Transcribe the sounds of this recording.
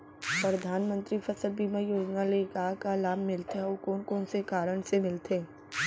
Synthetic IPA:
pɾɐd̪ʱaːnmə̃nt̪ɾifʰɐsəlbiːmə̃joːd͡ʒnalekaːkalaːmːɪlt̪eokɔːnkɔːnsekaːɾəɽ̃semɪlt̪ʰeː

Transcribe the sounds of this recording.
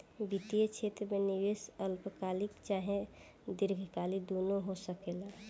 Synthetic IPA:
bit̪ijet͡ʃʰet̪ɾəmeniʋesəlpkaːlikt͡ʃaːɦẽ | d̪ɪɾɡʱkalid̪oːnoɦosəkeːla

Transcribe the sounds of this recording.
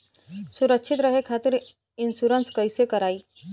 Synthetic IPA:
suɾəkɕʰit̪ɾəɦekʰat̪iɾ | insuɾənskəjsekəɾaiː

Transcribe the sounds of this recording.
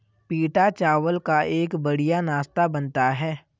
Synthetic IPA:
piːʈat͡ʃaːʋəlkaʔeːkbɐɽ̤ijanaːst̪abənt̪aɦɛː

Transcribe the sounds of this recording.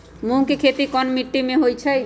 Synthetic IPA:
mukekʰet̪ikɔnmiʈːimẽɦojt͡ʃʰaj

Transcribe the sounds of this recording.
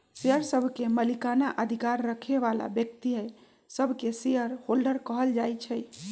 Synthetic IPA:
seəɾsəbʱkeməlikanaʔəd̪ʱikaɾːəkʰeβala̰bjək̚t̪iɦəj | səbʱkesejəɾholɖəɾkəɦəld͡ʒajt͡ʃʰəj

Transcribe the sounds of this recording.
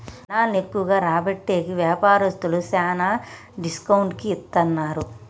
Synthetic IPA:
naːnekːuʋɐɡaːɾaːbɐʈːeːɡiʋjaːpaːɾɐst̪ulusaːnaː | ɖiskɐwuɳʈkiːt̪ːɐnːaːɾu

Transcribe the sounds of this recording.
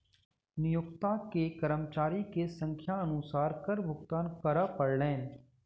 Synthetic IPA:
nɪjʊkt̪ãkekɐɾəmt͡ʃaːɾikesə̃ŋkʰjaənʊsaːɾkəɾbʱʊkt̪aːnkəɾapəɽlẽː

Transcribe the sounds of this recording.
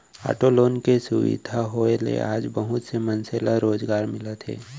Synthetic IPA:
a̰ːʈoloːnkesʊʋɪ̰d̪ʱaɦoːelḛʔa̰ːd͡ʒbəɦʊt̪semənselaɾoːzɡaːɾmɪlət̪ɦḛː

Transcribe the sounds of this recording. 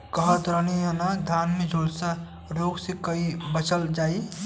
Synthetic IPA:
kəɦət̪ɾənijãnad̪ʱjaːnmẽd͡ʒʱoːlsa | ɾoːɡsekəibət͡ʃəld͡ʒaːi

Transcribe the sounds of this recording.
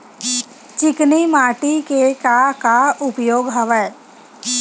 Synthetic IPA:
t͡ʃɪknimaːʈikekakaʊpjoːɡɦəʋəː

